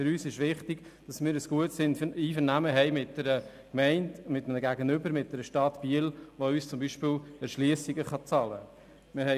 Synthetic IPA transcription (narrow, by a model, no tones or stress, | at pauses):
fʏɾyːsɪʃʋɪχtɪɡ̥d̥ɑsmɪːɾəsɡ̥uətsɪndiːfənæməɦɛɪmɪt̚dɛɾə | kmɛɪndmɪtəmnəɡæɡənʏbəɾmɪt̚d̥ɛɾəʃtɑtb̥iəlʋoyːst͡sʊmbiːʃpɪlɛɾʃliəsɪɡəχɑt͡sɑlə | mɪɾhɛ